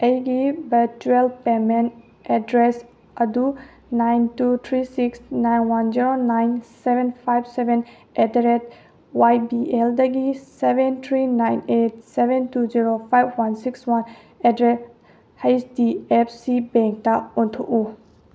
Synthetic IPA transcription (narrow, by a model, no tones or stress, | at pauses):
ejɡibɐɾt͡ʃuelpemen | ɛdɾes | ɐdu | najntut̪ʰɾisiksnajnwand͡ʒiɾonajnsebenpʰajbsebʱen | ɛdɾet̚ | wajbieldɐɡisebent̪ʰɾinajnet̚sebentuziɾopʰajbwansikswan | ɛdɾes | hesdiepʰsibẽŋk̚taontʰoʔu